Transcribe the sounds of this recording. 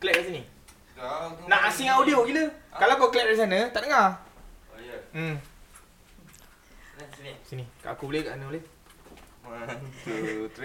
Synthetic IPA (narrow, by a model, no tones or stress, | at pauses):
klɛt̚as̬inĩ | nãʔasiŋawdioɡiləkalawkoklɛt̚is̬anət̪aʔdəŋa | sinika̰ʔakubulekaʔsanəbule